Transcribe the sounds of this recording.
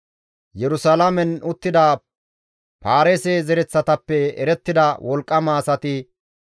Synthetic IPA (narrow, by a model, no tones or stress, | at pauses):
jɛɾʊsalɐmɛnʊt̪ːɪd̪a | paːɾeseːzɛɾɛt͡sːɐt̪ɐpːɛɛɾɛt̪ːɪd̪ɐwʔɔlkʼːɐmaːsɐt̪ɪ